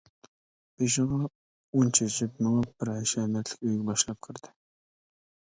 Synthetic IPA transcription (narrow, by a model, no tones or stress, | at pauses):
b̥eʃɪʁɑ | unt͡ʃʰet͡ʃɪpnɨŋɑb̥ɪɾɑjʃɛmɛt̪lɪ̥kʲøjɡʲɛbɑʃlˠɑp̚qʰəɾd̪̥ɪ